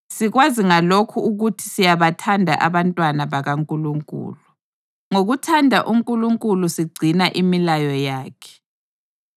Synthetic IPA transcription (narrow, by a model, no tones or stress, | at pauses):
siɣwaziŋalokʰuːɣutʰi̥sijaβatʰandʱa̰ʔaβantʼwanaβaɣaŋkʼuluŋkʼṵːlu | ŋoɣutʰandʱaʔuŋkʼuluŋkʼulusiɡ͡ǀʱinaʔimilajɔjaːkʰɛ̥